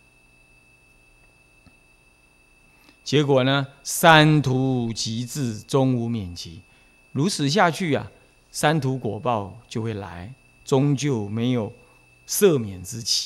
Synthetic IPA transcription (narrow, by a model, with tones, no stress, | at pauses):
t͡ɕjɛ˧˥kwɔ˨˩nə˦sa˦˥nt̪ʰu˧˥t͡ɕi˧˥t͡sɹ̩˥˩t͡sʊ˥ŋu˧˥mjɛ˨˩nt͡ɕi˧˦ | ɻu˧˥t͡sʰɹ̩˨˩ɕ̬ja˥˧t͡ɕʰy˥˩ɐ̰˨ | sa˥nt̪ʰu˧˥kwɔ˨˩pɑ˥˧ʊt͡ɕjo˥˧xwe˥˩ɪla̰˧˥˦ɪ | t͡sʊ˥ŋt͡ɕjo˥˩ʊme˧˥ɪjo˨˩ʊ | sɤ˥˩mjɛ˨˩nt͡sɹ̩˥t͡ɕi̥˨˩˦